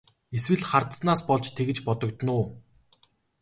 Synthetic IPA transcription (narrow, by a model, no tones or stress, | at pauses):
eswɘ̆ɮχart̪snaːspɔɮt͡ɕt̪ʰeɣɘ̆t͡ɕpɔt̪ɞ̆kt̪nʊː